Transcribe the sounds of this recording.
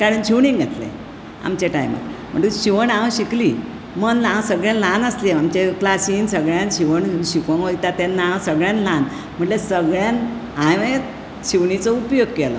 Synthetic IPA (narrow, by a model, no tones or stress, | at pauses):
kaɽənɕiʋɳiŋɡʱət̪lḛ | a̰mt͡ɕeʈa̰jmə̰t̪m̤ə̰ʈuɕiʋəɳãwɕikliː | mənlãwsəɡɭjãnlanəsleamt͡ɕeklasiːnsəɡɭjãnɕiʋəɳnɕikoŋɦojt̪at̪ɛnːaãwsəɡɭjanlan | m̤əɳʈlesəɡɭjãn | ãjʋet̪ | ɕiʋɳit͡sɔupjoɡ̚kelɔ̰